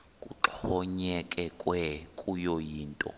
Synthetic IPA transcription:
kʼuǁʰɔɲɛkʼɛkʼwɛkʼujɔjiːntʼɔ̰

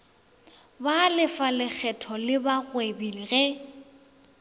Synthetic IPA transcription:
balɪfalɪk͡xʰɛtʰɔlɪbaɣwebiliɣɛ

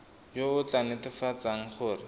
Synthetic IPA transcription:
joʊt͡ɬanɪtɪfat͡saŋ̩χʊːrɪ

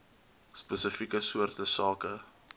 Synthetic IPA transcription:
spəsəfikəsuərtəsɑːkə

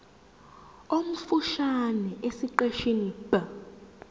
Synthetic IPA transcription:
om̩fuʃanɛʔesiǃeʃinib̥a

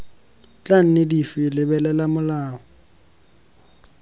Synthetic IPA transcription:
t͡ɬʼan̩nɪdifɪlɪbɛlɛlamʊlaːɔ

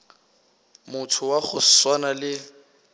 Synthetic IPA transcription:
mʊtʰʊwaχʊswanalɪ

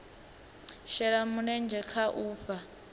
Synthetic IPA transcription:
ʃɛɺamunɛnd͡ʒʱɛkʰaʔuːɸa

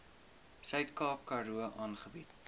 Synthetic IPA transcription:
sœɥtkɑːkːɐɾuəʔɑːnχəbit

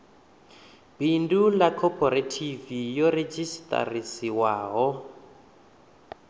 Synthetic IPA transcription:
b̥indulakʰɔpʰɔɾatʰivijɔred͡ʒistʼa̰risiwaːɦɔ

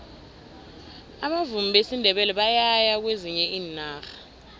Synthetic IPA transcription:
aɓavumiɓʱesindʱɛɓɛlɛɓajajak̬weziɲɛiːnaːxḁ

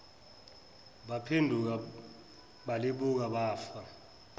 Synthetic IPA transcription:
ɓapʰendʱuk̬a | ɓaliɓuk̬aɓaːfa

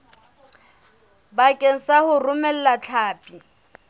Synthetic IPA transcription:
bakʼen̩sahʊrʊmɛl̩lat͡ɬʰaːpʼi

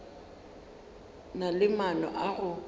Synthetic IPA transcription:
nalɪmanɔ̰ʔaɣʊ

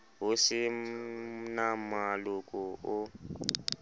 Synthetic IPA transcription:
wusi | namalukʼuʊ

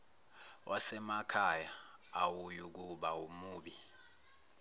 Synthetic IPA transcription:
wʔasɛmakʰajaːwujuk̬uɓaumuːɓi

